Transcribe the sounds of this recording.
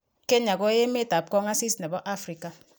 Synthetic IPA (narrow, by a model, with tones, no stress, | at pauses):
ke˦ɲa˨ɡo˦je˦me˦ta˨p̚kɔ˦ŋa˦si˦sne˨bɔ˦ʔa˦fɾi˨ka˨